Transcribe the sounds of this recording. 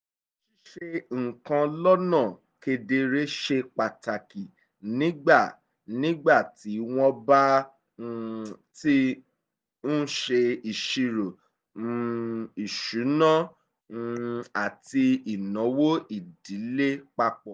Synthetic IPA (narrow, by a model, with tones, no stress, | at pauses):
ʃi˦ʃe˧ŋ̩˨kã˧lɔ˦nã˦˨ | ke˧de˧ɾe˦ʃe˧k͡pa˨ta˨ki˨ | nĩ˦ɡ͡ba˦˨ | nĩ˦ɡ͡ba˦˨ti˨˦w̃ɔ̃˧˦ba˦˧ | ti˦ | n̩˦ʃe˧i˨ʃi˧ɾo˨˧ | i˨ʃu˨˦nã˦˧ | a˨ti˧i˨nɔ̃˨˦wo˦i˦˨di˨˦le˦k͡pa˧k͡pɔ˨